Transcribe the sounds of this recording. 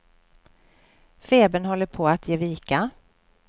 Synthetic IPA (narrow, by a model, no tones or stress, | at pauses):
feːbənɦɔlːəɾpʰoːat̪ʰjeːviːka